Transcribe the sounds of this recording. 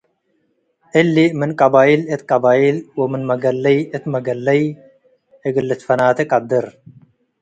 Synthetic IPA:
ʔɨlːimɨnkʼɐbaːilɨt̪kʼɐbaːʔilwɐmɨnmɐɡɐlːɐjɨt̪mɐɡɐlːɐj | ɨɡɨlːɨt̪fɐnaːt̪ɨkʼɐd̪ːɨɾ

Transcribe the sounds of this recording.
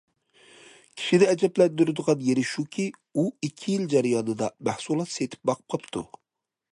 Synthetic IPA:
kʲʰi̥ʃid̪ɛɛd͡ʒɛplɛnd̪yɾyd̪əʁɑnjeɾɪʃukʲʰiuikʲʰːijild͡ʒɛɾijɑnɨd̪ɑmæhsulˠɑt̪set̪ʰɪ̥p̚bɑqʰə̥p̚qʰəpt̪ʰṵ

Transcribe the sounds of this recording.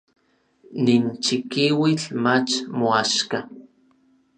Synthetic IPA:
nint͡ʃikiwiɬmat͡ʃmoaʃka

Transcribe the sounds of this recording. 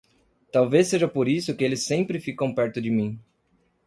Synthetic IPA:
t̪awvesːeʒɐpoɾisʊkɪelɪsːẽmpɾɪfikɐ̃w̃pɛɾt̪ʊd͡ʒɪmĩ

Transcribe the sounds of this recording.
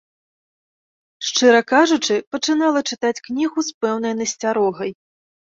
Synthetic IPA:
ʂt͡ʂɨɾɐkaʐut͡ʂɨpɐt͡ʂɨnalˠɐt͡ʂɨt̪at͡sʲknʲiɣuspɛwn̪ɐjnɐsʲt͡sʲaɾɔɣɐj

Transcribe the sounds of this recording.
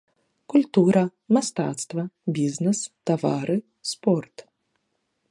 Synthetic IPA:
kulʲt̪uɾɐmast̪a̰ːt̪st̪vɐbʲiznʲɛst̪avaɾɨ | spɔrt̪

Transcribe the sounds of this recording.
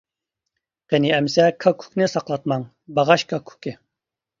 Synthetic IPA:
qɛniɛmsɛkʰɑkʰu̥knɨsɑqlˠɑt̪mɑŋ | bɑʁɑʃkʰɑkʰu̥kʲɪ

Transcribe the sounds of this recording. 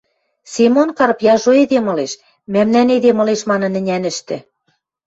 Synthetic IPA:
semonkɑɾɤpjɑʒoed̪emɤ̆leʃ | mæmnæned̪emɤ̆leʃmɑnɤ̆nɘ̆nʲænɘ̆ʃt̪ɘ̆

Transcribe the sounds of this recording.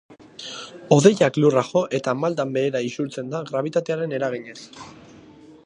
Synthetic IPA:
o̞ðe̞jakluraɣo̞ʔe̞t̪amald̪ambe̞ːɾaisuɾt͡se̞nd̪aɣɾaβ̞it̪at̪e̞aɾe̞ne̞ɾaɣ̞iɲe̞s

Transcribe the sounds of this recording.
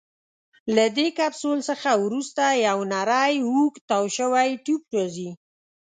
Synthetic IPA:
lad̪ekabsolsəxawɾust̪ajawnaɾɑjukt̪awʃəwajʈup̚ʈozi

